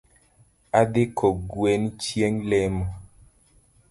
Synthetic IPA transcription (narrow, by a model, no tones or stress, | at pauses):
ad̪ɪkʰɔɡwent͡ʃjeŋlɛmɔ